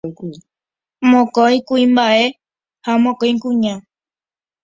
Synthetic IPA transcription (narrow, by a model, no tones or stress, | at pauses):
k | mõkojkuĩmbae̞ | hamõkojŋkũɲã